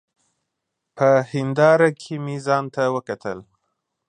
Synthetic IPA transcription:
pəhɪnd̪ɑɾakʰemizɑnt̪awəkat̪əl

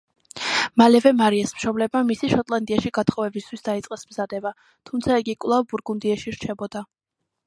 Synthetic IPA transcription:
malɛvɛmaɾiasmʃɔblɛbmamisiʃɔt̪ʼlˠand̪iaʃiɡat̪ʰχɔvɛbist̪ʰwisd̪ait̪sʼqʼɛsmzad̪ɛba | t̪ʰumt̪sʰaɛɡikʼwlˠavbuɾɡund̪iaʃiɾt͡ʃʰɛbɔd̪a

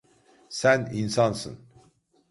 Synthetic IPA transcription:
sæninsɑnsɯ̰n

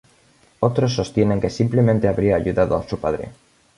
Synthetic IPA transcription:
ot̪ɾosːo̞st̪jene̞ŋke̞simplemẽnt̪eaβɾiaːʎuðaðoa̰supaðɾḛ

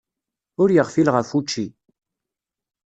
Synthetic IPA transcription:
ʊɾjəʁfilʁəfut͡ʃːi

